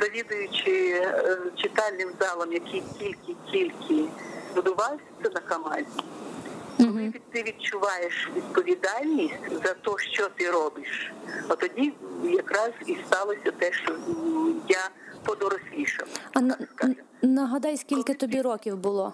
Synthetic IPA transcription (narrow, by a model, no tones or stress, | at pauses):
zɐʋʲid̪ʊjʊt͡ʃɪ | t͡ʃɪt̪ɑlʲnɪmzɑlˠɔmjɐkʰijkʲilʲkɪkʲilʲkʰɪbʊd̪ʊʋɑlsʲɐsʲɛnɐkɐmɑzʲi | ɦ̩ɪkʲit̪ɪʋʲid̪̚t͡ʃʊʋɑjeʃʋʲid̪pɔʋʲid̪ɑlʲnʲisʲtʲzɐt̪ɔʃt͡ʃɔt̪ɪɾɔbɪʃɐt̪ɔdʲijɐkɾɑz̥ist̪ɑlˠɔsʲɐt̪ɛʃt͡ʃɔja | t̪ɔd̪ɔɾɔsʲlʲiʃɐ̰wɐnskaʒ | nɐɦɐd̪ɑjsʲkʲilʲkɪt̪ɔbʲiɾɔkʲiwbʊlˠɔ